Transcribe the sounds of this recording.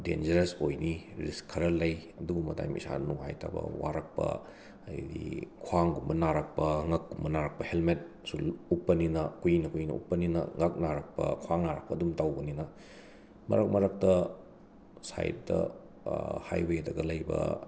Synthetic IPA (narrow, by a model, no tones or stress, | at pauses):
dḛnd͡ʒɐɾesojniɾiskʰːɐɾɐlɐjɐduɡumɐda̰jmḭsa̰nuha̰jtʰa̰bɐ̰waɾɐk̚pɐ̰ | ɐjdikʰwaŋɡumbɐnaɾɐk̚pɐŋɐk̚ːumbɐnaɾɐk̚pɐhelmet̚ | sulupːɐninɐkujnɐkujnɐ̰ʔupːɐninɐ̰ŋɐk̚naɾɐk̚pɐ̰kʰwaŋnaɾɐk̚pɐːdumtawbɐninɐ | mɐ̰ɾɐk̚mɐɾɐk̚tɐ | sa̰jt̚dɐ̰ | ha̰jbejdɐɡɐlɐjbɐ̰